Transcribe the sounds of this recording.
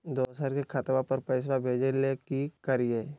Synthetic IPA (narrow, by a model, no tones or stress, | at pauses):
d̪oːsaːɾkekʰat̪ʋapəɾpəɪs̬ʋabʱeːd͡ʒelekikəɾijeː